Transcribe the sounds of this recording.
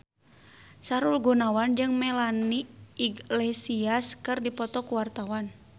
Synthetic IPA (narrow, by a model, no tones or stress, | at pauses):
saɾulɡunawand͡ʒɨŋmɛlaniːɡlɛsiaskɨrdipɔt̪ɔkuwart̪awan